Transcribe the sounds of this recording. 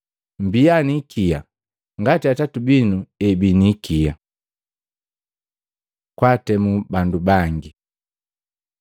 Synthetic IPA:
mbijanikʰija | ŋɡatiatatubinuɛbinikia | kwatɛmubandubaŋɡi

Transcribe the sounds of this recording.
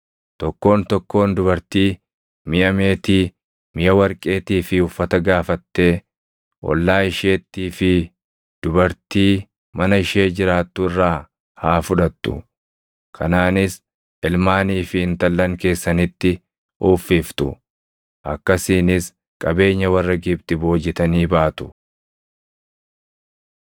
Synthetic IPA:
t̪ɔkːo̞ːnt̪ɔkːo̞ːnd̪ʊbɐɾt̪iː | mɪʔɐme̞ːt̪iː | mɪjɐwɐɾkʼe̞ːt̪iːfɪʊfːɐt̪ɐɡaːfɐt̪ːe̞ː | ʔɔ̰lːaːɪʃeːt̪ːiːfɪ | d̪̥ʊbɐɾt̪iː | mɐnɐɪʃe̞ːd͡ʒɪɾaːt̪ːʊɪrːaː | haːfʊᶑɐt̪ːʊ̰ | kʰɐnaːnɪs | ɪlmaːniːfɪɪnt̪ɐlːɐŋke̞ːsːɐnɪt̪ːɪ | ʔuːfːiːft̪ʊ̰ | ʔɐkːɐsiːnɪs | kʼɐbe̞ːɲːɐwɐrːɐɡɪbt̪ɪbo̞ːd͡ʒːɪt̪ɐniːbaːt̪ʊ̥

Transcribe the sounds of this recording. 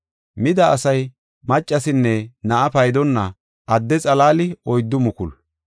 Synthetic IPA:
mɪd̪ɐːsɐj | mɐt͡ʃʼːɐsɪnːɛnɐʔɐpɐjd̪ɔnːɐ | ʔɐd̪ːɛt͡sʼɐlaːlɪɔjd̪ːʊmʊkʊl

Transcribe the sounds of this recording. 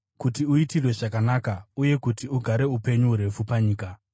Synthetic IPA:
kutiuitirwe̞ʐakanakauje̞kutiuɡʱaɾe̞upe̞ɲuuɾe̞fupaɲiːka

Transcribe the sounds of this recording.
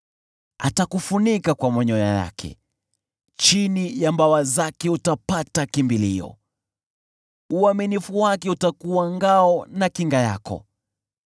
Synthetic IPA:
a̰takufunikakwamɔɲɔja̰ja̰kʰɛ̰ | t͡ʃinijambawazakɛutapatakimbiliɔ̰ | uaminifuwakɛutakuwaŋɡaɔnakiŋɡaja̰kɔ̰

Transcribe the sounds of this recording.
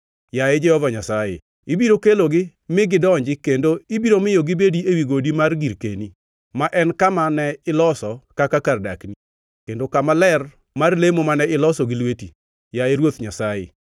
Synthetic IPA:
jaed͡ʒɛhɔvaɲasajḛ | ibiɾokeloɡɪ | mɪɡɪdɔɲd͡ʒɪkendoibiɾomɪjoɡɪbediewiɡodimarɡiɾkḛni | maʔɛnkamanɛɪlɔsɔkakakarda̰kni | kendokamalɛr | marlemomanɛɪlɔsɔɡɪlweti | jaeɾwot̪ɲasajḛ

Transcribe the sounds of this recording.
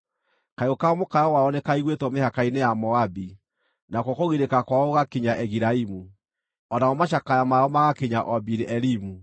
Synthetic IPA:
kaokamokajɔwaɔnɛkaiɣwetwɔmehakainejamɔabi | nakɔkoɣiɾekakwaoɣakeɲaʔɛɣiɾaimu | ɔnaɔmaʃ̬akajamaɔmaɣakeɲaʔɔbiɾɛɾimu

